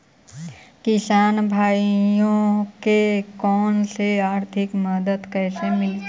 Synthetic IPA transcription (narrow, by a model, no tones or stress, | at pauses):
kɪsaːnbʱaːijõkekɔːnseaːɾt̪ʰɪkməd̪əd̪kɛːsemɪl